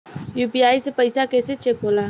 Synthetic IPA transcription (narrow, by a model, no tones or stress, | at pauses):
juːpiaːisepəɪsakeset͡ʃekola